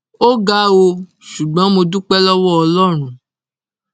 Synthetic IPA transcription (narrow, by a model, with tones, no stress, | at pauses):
o˦ɡa˦o˧ | ʃu˨ɡ͡bɔ̃˨˦mo˧du˦k͡pɛ˦lɔ˦wɔ˦ɔ˧lɔ˦ɾ̃ũ˦